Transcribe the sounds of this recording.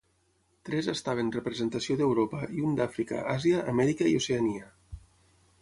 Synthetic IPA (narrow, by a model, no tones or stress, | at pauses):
t̪ɾɛzəst̪aβ̞enrəpɾezent̪asioðewɾopaiund̪afɾika̰ʔaziaʔːmɛɾikaioseaniə